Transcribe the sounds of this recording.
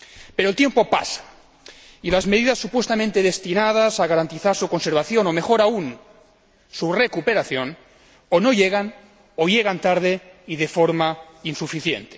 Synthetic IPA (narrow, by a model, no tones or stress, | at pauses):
peɾoelt̪je̞mpo̞pa̰sḁ | ilazmeðiðasːupwe̞st̪amẽnt̪eð̞e̞st̪inað̞asaɣaɾant̪iθaɾsuko̞nse̞ɾβ̞aθjo̞no̞me̞xo̞ɾaun | surekupe̞ɾaθjo̞n | ono̞ʎeɣ̞an | oʎeɣ̞ant̪aɾð̞eiðefoɾma | insufiθjḛnt̪e